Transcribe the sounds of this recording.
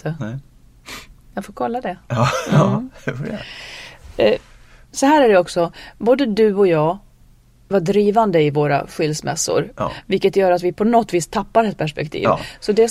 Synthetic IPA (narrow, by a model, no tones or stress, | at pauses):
t̪ʰə | jaɡfoːɾkʰɔlːad̪ɛ | fɛ | sɔhæːɾæɖɛɔksɔboːd̪əd̪ɵɔjɑː | vaɖɾiːvand̪əɪvoːɾa̰ɧɪlsmɛ̰sːʊ̰ɾvɪlkːət̪jœːɾat̪vɪpʰɔnɔt̪ːviːst̪ʰapːaɾɛt̪̚pʰæʂpɛkt̪ʰḭːvsɔd̪ɛ